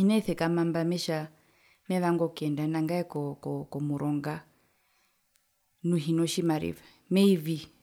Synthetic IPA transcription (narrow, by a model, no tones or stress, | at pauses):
hinɛiθɛkamambamɛʃa | mɛβaŋɡɔkiɛndanaŋɡaɛkɔkɔkɔmuɾʔɔŋɡa | nuɦinɔʃimaɾḭvɛ | mɛivi